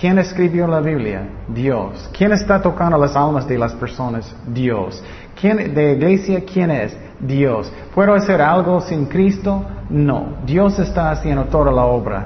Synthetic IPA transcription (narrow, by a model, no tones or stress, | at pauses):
kjeneskɾiβjolaβiβlja̰ðjoskʰjenest̪at̪okãnd̪olasalmasðelaspeɾsonas | d̪jos | kʰjend̪eiɣlesjakʰjenes | d̪jos | pweðoaseɾalɡosĩnkɾist̪ono̰d̪josest̪aːsjend̪ot̪oðalaoβɾa̰